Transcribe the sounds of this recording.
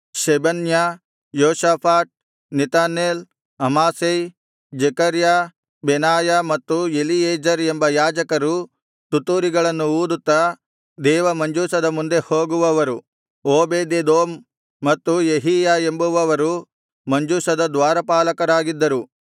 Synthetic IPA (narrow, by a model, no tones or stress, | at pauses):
ʃɛbɐnja | joːʃaːpʰaːʈ̪̚ | nit̪aːneːl | ɐmaːsej | d͡ʒekɐɾja | benaːjamɐt̪ːuelieːd͡ʒɐɾembɐjaːd͡ʒɐkɐɾu | t̪ut̪ːuːɾiɡɐɭɐnːuuːd̪ut̪ːɐ | d̪ɛːʋɐmɐɲd͡ʒuːsɐd̪ɐmund̪e̞ho̞ːɡuʋɐʋɐɾu | oːbeːd̪ed̪oːmː | ɐt̪ːujeɦiːjae̞mbuʋɐʋɐɾu | mɐɲd͡ʒuːsɐd̪ɐd̪ʋaːɾɐpaːlɐkɐɾaːɡid̪ːɐɾu